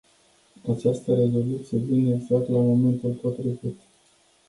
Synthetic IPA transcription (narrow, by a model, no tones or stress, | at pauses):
at͡ʃast̪əɾe̞zo̞lut̪sije̞vineɡzak̚t̪lamo̞me̞nt̪ulpo̞t̪ɾivit̪